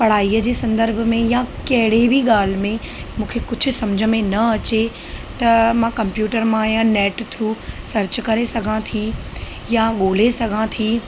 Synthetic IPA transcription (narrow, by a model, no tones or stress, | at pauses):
pɐɽ̤aːiːəd͡ʑeːsɐ̃nd̪əɾbʱmẽjãkɐɦɪɽebʱiɠaːl̤mẽ | mũːkʰekʊd͡ʑʱʊ̆sɐmd͡ʑʱəmẽnɐɐt͡ɕe | t̪ɐmãkɐ̃mpjuːʈəɾmãːɦijãnɛːʈt̪ʰɾuːsɐɾt͡ɕkɐɾesɐɡʱãt̪ʰi | jaɠoːlesɐɡʱãt̪ʰiː